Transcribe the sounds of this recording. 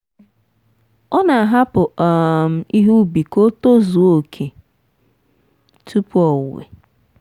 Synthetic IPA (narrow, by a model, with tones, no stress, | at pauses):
ɔ˦na˨a˨ɦa˦pʊ˨m̩˨i˦ɦu˦bi˨ko˦to˦zu˨o˨kʰe˨ | tu˦pu˦ɔ˨wḛ˨